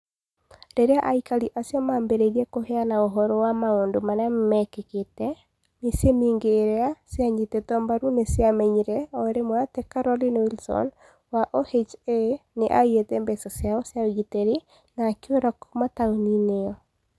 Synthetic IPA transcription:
ɾeɾeaʔaikaliʔasjɔmaːmbeɾeɾiɛkoheanaoɦɔɾɔwamaondomaɾeammɛkeketɛ | misjemiːŋɡeːɾeasjaɲitetɔmbaɾunesjamɛɲiɾɛɔeɾemwatɛkaɾɔlinewilsɔ̰n | waʔohet͡ʃeneʔaietɛmbɛsɔsjaɔsjawɣitɛɾi | naːkjoɾakomataunineɔ

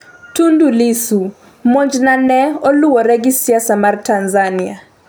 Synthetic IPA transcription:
tundulisu | mɔɲd͡ʒnanɛɔluwɔɾɛɡɪsiasamartanzania

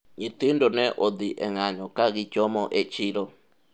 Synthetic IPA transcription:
ɲit̪indonɛʔod̪iʔɛ̰ŋaɲɔ̃kaɣit͡ʃɔmɔʔet͡ʃiɾo

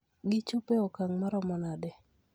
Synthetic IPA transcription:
ɡɪt͡ʃʊpeɔkaŋmaɾɔmɔnadɛ

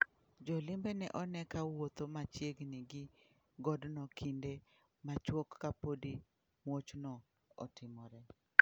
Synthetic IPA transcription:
d͡ʒɔlɪmbenɛʔɔnɛkawot̪omat͡ʃjeɡnɪɡɪ | ɡɔdnɔkʰinde | mat͡ʃwokːapodi | mwot͡ʃnɔ | ɔtɪmɔɾɛ

